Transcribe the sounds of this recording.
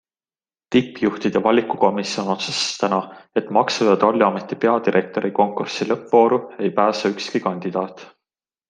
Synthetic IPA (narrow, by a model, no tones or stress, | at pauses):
t̪ipːˑjuht̪id̪̥evɑlʲikːˑuko̞misio̞no̞t̪sɑ̥st̪ænɑe̞t̪mɑksujɑd̪̥olʲːiɑme̞t̪ːipe̞ɑd̪iɾʔe̞k̚t̪o̞ɾʔiko̞ŋkursilɤpːvo̞ːɾue̞jpæːsɑykskikɑnʲd̪̥id̪̥ɑːt̪ˑ